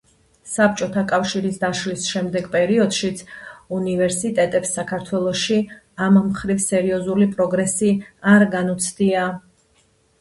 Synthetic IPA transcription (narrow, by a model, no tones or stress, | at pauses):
sap̚t͡ʃʼɔt̪ʰakʼafʃiɾisd̪aʃlisʃɛmd̪ɛɡpʼɛɾiɔd̪̥ʃit̪sʰunivɛɾsit̪ʼɛt̪ʼɛpsːakʰaɾt̪ʰwɛlˠɔʃi | ammχɾivsɛɾiɔzulipʼɾɔɡɾɛsiaɾɡanut̪sʰd̪ia